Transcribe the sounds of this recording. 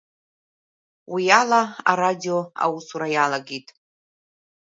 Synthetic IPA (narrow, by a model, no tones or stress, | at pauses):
wijalaa̰ɾadioa̰wusuɾajalaɡʲitʼ